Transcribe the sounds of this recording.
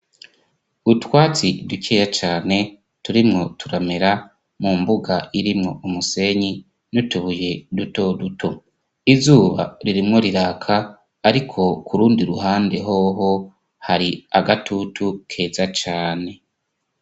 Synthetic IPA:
utwaːt͡siducejat͡ʃaːne̞ | tuɾimŋo̞tuɾame̞ɾa | mumbuɡaiɾimŋo̞umuse̞ɲi | nutuβuje̞duto̞dutʰo̞ | izuːβa̰ɾiɾimŋo̞ɾiɾaːkʰaː | ɾikʰo̞kʰuɾuːndiɾuɦaːnde̞ɦo̞ːɦo̞ | haɾiaɡatutʰukʰe̞ːzat͡ʃaːne̞

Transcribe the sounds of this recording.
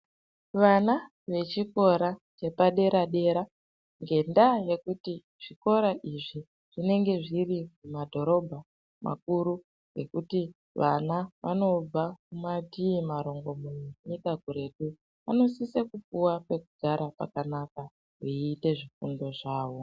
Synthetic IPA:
ʋana | ʋe̞t͡ʃiko̞ɾat͡ʃe̞paɗe̞ɾaɗe̞ɾa | ŋɡe̞ndaje̞kuti | ʐ̥iko̞ɾaʔiʐi | ʐ̥ine̞ŋɡe̞ʐirimumadʱo̞ɾo̞bʱa | mʔa̰kuɾu | ɡe̞kuti | ʋʔa̰naʋʔa̰no̞b͡vakumadʱiːmaɾo̞ŋɡo̞munuɲikakuɾe̞tu | ano̞sisekupuwape̞kuɡʱaɾapa̰kanaka | ɦiiːte̞ʐifundo̞ʐaːʋo̞

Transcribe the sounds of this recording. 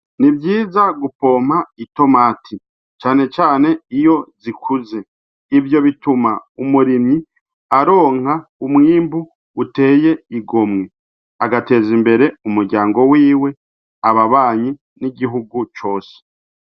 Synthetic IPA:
nibjiːzaɡupo̞ːm̥haito̞maːtʰi | t͡ʃaːne̞t͡ʃaːne̞ijo̞zikʰuze̞ | ivjo̞βitumaumuɾimɲi | aɾo̞ːŋ̥aumŋiːmbuː | te̞ːje̞iɡo̞mŋe | aɡate̞ːzimbe̞ɾe̞umuɾɟaːŋɡo̞wiːwe̞ | aβaβaːɲi | niɟiɦuɡut͡ʃo̞ːse̥

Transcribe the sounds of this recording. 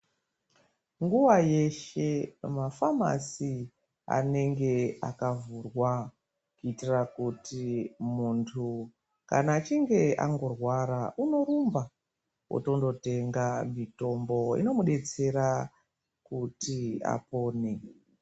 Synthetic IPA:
ŋɡuwaje̞ʃe̞mafama̰si | a̰ne̞ŋɡe̞akavurwa | kuitirakutimuntʰu | kanaːt͡ʃiŋɡe̞ʔa̰ŋɡo̞rwaɾaʔuno̞ɾumba | wo̰to̞ndo̞te̞ŋɡamito̞mbo̞ḭno̞muɗe̞t͡se̞ɾa | kutia̰po̞ːne

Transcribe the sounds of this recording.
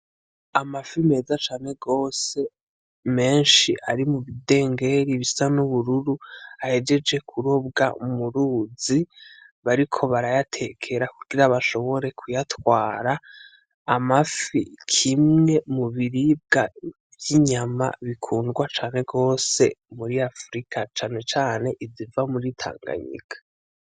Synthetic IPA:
amafime̞ːzat͡ʃaːne̞ɡo̞ːse̞ | me̞ːnʃiʔaɾimuβide̞ːŋɡe̞ɾiβisanuβuɾuɾuahe̞d͡ʒe̞d͡ʒe̞kʰuɾobɡa̰umuɾuːziβaɾikʰo̞βaɾajatʰe̞kʰe̞ɾakuɡ̥iɾaβaʃo̞βo̞ɾe̞kʰujatwaːɾaː | mafikʰimŋe̞muβiɾib̚ɡa | vjiɲama̰βikʰuːndɡwat͡ʃaːne̞ɡo̞ːse̞muɾiafɾikʰat͡ʃaːne̞t͡ʃaːne̞ʔizivamuɾitʰa̰ːŋɡa̰ɲḭkʰḁ

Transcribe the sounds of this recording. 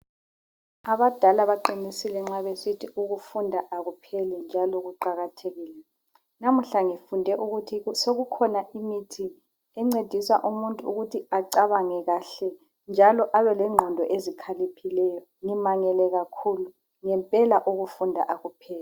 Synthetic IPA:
aβad̥ʱalaβaǃinisilɛŋ͡ǁaβesitʰiuɣufundʱaʔaɣupʰɛlɛnd͡ʒʱalɔɣuǃaɣatʰeɣiːlɛ | nam̩ɬaŋifundʱɛʔuɣutʰisoɣukʰɔnaʔimitʰi | ɛŋ͡ǀed̥ʱisa̰ʔumuntʼuuɣutʰiaǀaβaŋɛɣaɬɛ | nd͡ʒʱalɔʔaβɛlɛŋ͡ǃʱɔndʱɔʔezikʰalipʰilɛjɔ | ŋimaŋɛlɛɣakʰulu | ŋɛmpʼɛlaʔuɣufundʱa̰ʔaɣupʰɛːlɛ

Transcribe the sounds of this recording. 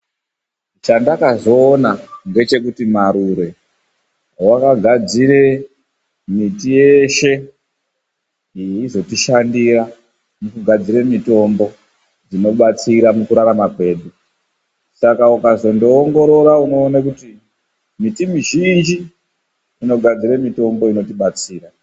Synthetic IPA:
t͡ʃandakazo̞ːnaŋɡe̞t͡ʃe̞kutimaɾuɾe̞ | wakaɡʱad͡ziɾe̞ | mitije̞ʃe̞ | iizo̞tiʃandira | mukuɡʱad͡ziɾemito̞mbo̞ | d͡zino̞ɓat͡siɾamukuɾaɾamape̞ːɗu | sakaukazo̞ndoːŋɡo̞ɾo̞ɾauno̞ːnakuti | mitimiʒind͡ʒiː | no̞ɡʱad͡ziɾemito̞mboino̞t̬iɓat͡siːra

